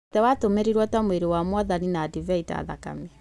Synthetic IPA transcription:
tɛwatomeɾeɾwɔtamweɾewamwaðaninaːdivɛita̰ːða̰ka̰me

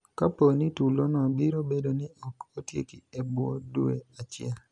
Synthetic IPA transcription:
kaponitulonɔbiɾobedonɪɔkotjḛkḭebwo̰dueat͡ʃɪɛl

